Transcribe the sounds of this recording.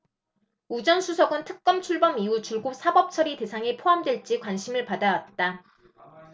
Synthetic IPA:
ud͡ʑʌnsʰusʰʌɡɯntʰɯk̚k͈ʌmt͡ɕʰuɭbʌmiut͡ɕuɭɡop̚s͈ʰabʌp̚t͡ɕʰʌɾite̞sʰaŋe̞pʰoɦamdwe̞ɭt͡ɕ͈ikwanɕʰimɯɭpadawat̚t͈a

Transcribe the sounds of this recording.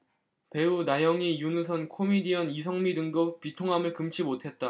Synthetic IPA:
pe̞unajʌŋijunus̬ʰʌnkʰomidiʌnis̬ʰʌŋmidɯŋdop͈itʰoŋɦamɯɭkɯmt͡ɕʰimotʰe̞t̚t͈a

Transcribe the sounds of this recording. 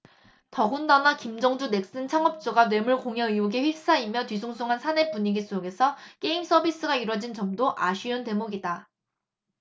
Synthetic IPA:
tʌɡundanakimd͡ʑʌŋd͡ʑune̞k̚s͈ɯnt͡ɕʰaŋʌp̚t͡ɕ͈oɡanwe̞muɭkoŋjʌiuɡeɸɥik̚s͈aimjʌtɥisʰoŋsʰoŋɦansʰane̞puɲiɡis͈oɡe̞sʰʌk͈e̞ims͈ʰʌbis͈ɯɡaiɾwʌd͡ʑint͡ɕʌmdoʔaɕʰiʌnte̞moɡida

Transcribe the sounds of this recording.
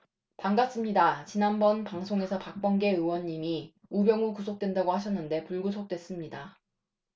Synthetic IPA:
paŋɡas͈ɯmɲidat͡ɕinanbʌnpaŋsʰoŋe̞sʰʌpak̚p͈ʌŋɡe̞ɯwʌɲːimi | ubjʌŋokusʰok̚t͈we̞ndaɡohaɕ̬ʰʌnːɯnde̞puɭɡusʰok̚t͈we̞s͈ɯmɲida

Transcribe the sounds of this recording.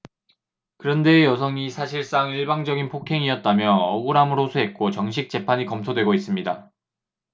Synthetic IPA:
kɯɾʌnde̞jʌsʰʌŋisʰaɕʰiɭs͈aŋiɭbaŋd͡ʑʌɡinpʰokʰe̞ŋiʌt̚t͈amjʌʌɡuɾamɯɾosʰoɦe̞t̚k͈ot͡ɕʌŋɕ̬ʰik̚t͡ɕ͈e̞pʰaɲikʌmtʰodwe̞ɡois͈ɯmɲida

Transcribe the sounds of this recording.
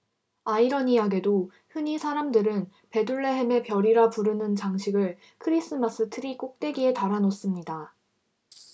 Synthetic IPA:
aiɾʌnijaɡe̞do | hɯɲisʰaɾamdɯɾɯn | pe̞duɭːe̞ɦe̞me̞pjʌɾiɾapuɾɯnɯnt͡ɕaŋɕʰiɡɯɭ | kʰɯɾis͈ɯmas͈ɯtʰɯɾik͈ok̚t͈we̞ɡiɦe̞taɾanos͈ɯmɲida

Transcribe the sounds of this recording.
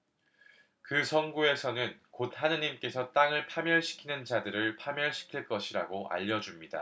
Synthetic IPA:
kɯsʰʌnɡue̞sʰʌnɯnkot̚hanɯɲimk͈e̞sʰʌt͈aŋɯɭpʰamjʌɭɕʰi̥kʰinɯnt͡ɕadɯɾɯɭpʰamjʌɭɕʰi̥kʰiɭk͈ʌɕʰiɾa̰ɡoa̰ʎːʌd͡ʑumɲida̰

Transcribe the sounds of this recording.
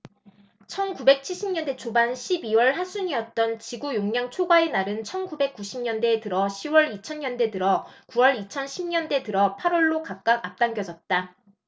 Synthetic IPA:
t͡ɕʰʌnkube̞k̚t͡ɕʰiɭɕ͈ʰimɲʌnde̞t͡ɕʰobanɕʰibiwʌɭɦasʰuɲiʌt̚t͈ʌnt͡ɕiɡujoŋɲaŋt͡ɕʰoɡaenaɾɯnt͡ɕʰʌnkube̞k̚k͈uɕʰimɲʌnde̞tɯɾʌɕʰiwʌɾit͡ɕʰʌnɲʌnde̞tɯɾʌkuwʌɾit͡ɕʰʌnɕʰimɲʌnde̞tɯɾʌpʰaɾwʌɭːokak̚k͈aɡap̚t͈aŋɡjʌd͡ʑʌt̚t͈a

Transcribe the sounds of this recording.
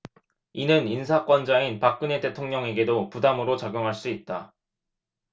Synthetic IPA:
inɯninsʰak͈wʌnd͡ʑainpak̚k͈ɯnete̞tʰoŋɲʌŋe̞ɡe̞dopudamɯɾot͡ɕaɡjoŋɦaɭs͈uit̚t͈a

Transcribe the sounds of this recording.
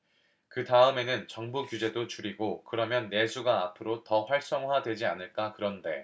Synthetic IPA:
kɯtaɯme̞nɯnt͡ɕʌŋbukjud͡ʑe̞dot͡ɕuɾiɡokɯɾʌmjʌnːe̞sʰuɡaːpʰɯɾotʌɸwaɭs͈ʌŋwadwe̞d͡ʑianɯɭk͈akɯɾʌnde̞

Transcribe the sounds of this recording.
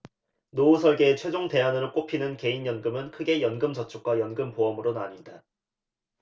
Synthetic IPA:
nousʰʌɭɡe̞ːt͡ɕʰwe̞d͡ʑoŋte̞anɯɾok͈opʰinɯnke̞injʌnɡɯmɯnkʰɯɡe̞jʌnɡɯmt͡ɕʌt͡ɕʰuk̚k͈wajʌnɡɯmpoʌmɯɾonaɲida

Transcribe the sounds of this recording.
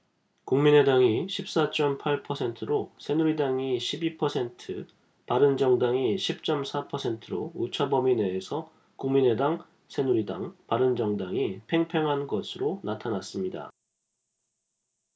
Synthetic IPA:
kuŋmine̞daŋiɕʰip̚s͈at͡ɕ͈ʌmpʰaɭpʰʌsʰe̞ntʰɯɾosʰe̞nuɾidaŋiɕʰibipʰʌsʰe̞ntʰɯ | paɾɯnd͡ʑʌŋdaŋiɕʰip̚t͡ɕ͈ʌmsʰapʰʌsʰe̞ntʰɯɾout͡ɕʰabʌmine̞ːsʰʌ | kuŋmine̞daŋ | sʰe̞nuɾida̰ŋpaɾɯnd͡ʑʌŋdaŋipʰe̞ŋpʰeŋɦanɡʌsʰɯɾonatʰanas͈ɯmɲida̰

